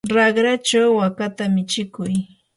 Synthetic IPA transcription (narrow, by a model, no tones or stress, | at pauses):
ɾɑχɾat͡ʃawːakat̪amɪt͡ʃɪkʊj